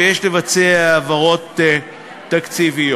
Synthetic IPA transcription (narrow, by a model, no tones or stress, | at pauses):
jeʃle̞vat͡seaːvaʁo̞t̪eː | akt͡sivi